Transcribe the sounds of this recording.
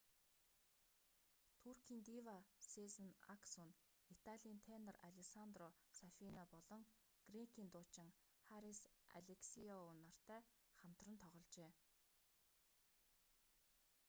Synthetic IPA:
t̪ʰurkʰiːnt̪iwasezə̆na̰ksɔn | it̪aɮʲiːnt̪ʰenə̆raɮʲeksant̪rɔsafinapɔɮɞ̆ŋ | ɡ̥reŋkʰiːnt̪ʊːt͡ɕɪ̆ŋχaɾisa̰ɮeksiɔʊnɔr̥t̪æː | χam̥t̪rə̆nt̪ʰɔʁɞ̆ɮt͡ɕeː

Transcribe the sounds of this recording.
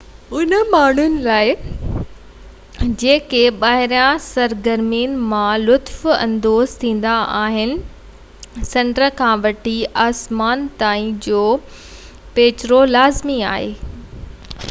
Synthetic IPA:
ʊnəmaːɳ̤ʊnɪ̆laːɪ | d͡ʑeːkeɓaːɦɪɾjãsɐɾɡɐɾmiːnmãlʊt̪fɐ̰̃nd̪oːzt̪ʰĩːn̆d̪aaːɦɪnɪ̆ | sɐ̃ɳʈɾəkʰãʋɐʈiaːsmaːnt̪aːĩd͡ʑoː | peːt͡ɕɪɾolaːzmiaːɦeː

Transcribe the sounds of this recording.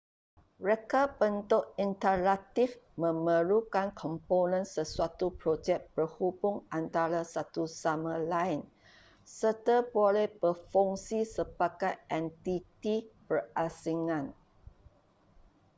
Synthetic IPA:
ɹekabənt̪ʊʔint̪əlat̪ifmə̃mə̃ɾukankʰɔ̃mponə̃nsəsuat̪upɾod͡ʒɛk̚b̥əhubʊŋãnt̪aɾasat̪usamãlain | sərt̪abolɛhb̥əfɔŋsisəbaɡajʔɛ̃nt̪it̪ibərasiŋãn

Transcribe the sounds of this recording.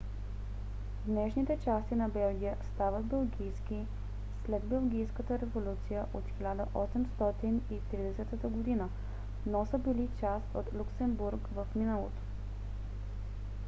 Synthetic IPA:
d̪nɛʃnit̪ɛt͡ʃast̪inɐbɛlˠɡʲijəst̪avəd̪bɛlˠɡʲijski | slɛd̪bɛlˠɡ̟ʲijskət̪əɾɛvolʲut̪sijəʔot̪xilʲad̪əʔɔsɛmst̪ɔt̪init̪ɾid̪ɛsɛt̪ət̪əɡod̪inə | nosəbilit͡ʃast̪ot̪lʲuksɛmbuɾkvəfminəlˠo̰t̪o̥

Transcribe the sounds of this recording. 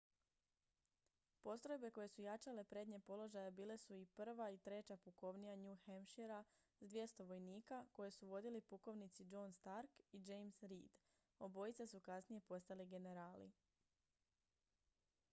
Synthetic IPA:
po̞st̪ɾo̞jbe̞ko̞je̞sujat͡ʃale̞pɾe̞d̪ɲe̞po̞lo̞ʒajabiːle̞suipr̩ʋait̪ɾe̞t͡ɕapuko̞ʋnijaɲuxamʃeɾa | zd̪ʋje̞st̪o̞ʋo̞jniːkako̞jesuʋo̞d̪ilipuko̞ʋnit̪sid͡ʒo̞nst̪aɾkid͡ʒejmsɾiːd̪ | o̞bo̞jit̪sasukasnije̞po̞st̪aliɡe̞ne̞ɾaːlḭ

